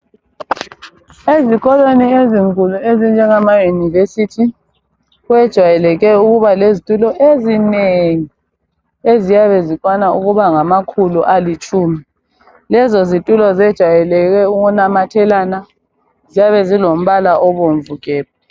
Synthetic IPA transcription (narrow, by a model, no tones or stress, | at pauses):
eziɣɔlwenieziŋkʼuluezind͡ʒʱɛŋamajunivesitʰi | ɣwɛd̥ʒ̥ʱwajɛlɛɣɛuɣuβalezitʼulɔʔezineŋi | ezijaβɛzikʼwanauɣuβaŋamakʰuluʔalit͡ʃʼuːmi | lɛzɔzitʼulɔzɛd̥ʒ̥ʱwajɛlɛɣɛuɣunamatʰɛlaːna | zijaβɛzilom̩βalaʔɔβom̩vukʼɛːpɔ